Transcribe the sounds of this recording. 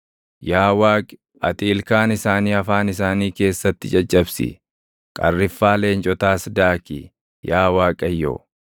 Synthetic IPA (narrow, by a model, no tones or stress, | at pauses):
jaːwaːkʼɪ̥ | ɐt̪ʼiːlkaːnɪsaːniːɐfaːnɪsaːniːke̞ːsːɐt̪ːɪt͡ʃʼɐt͡ʃʼːɐbsɪ̰ | kʼɐrːɪfːaːle̞ːnt͡ʃʼɔt̪aːsd̪aːkɪ̰ | jaːwaːkʼɐjːo̰ː